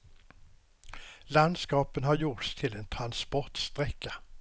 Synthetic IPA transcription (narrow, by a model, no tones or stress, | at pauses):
land̪skɑːpənɦaɾjʊʈst̪ʰɪlent̪ʰɾanspɔʈ̪st̪ʁɛkːa